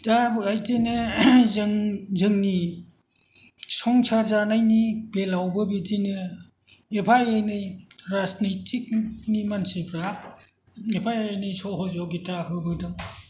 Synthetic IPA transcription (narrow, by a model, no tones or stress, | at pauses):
dabɯajtenɯ | ŋzɯŋni | sɔŋt͡ʃʰazanajnibelawbɯbidinɯ | epʰajajnɯjɾasnitʰik̚nimansipʰɾa | epʰajajejnɯjsɔɦɔzɔɡitahɯbɯdɯŋ